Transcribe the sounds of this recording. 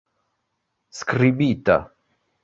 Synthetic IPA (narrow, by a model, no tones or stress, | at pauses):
skribit̪a̰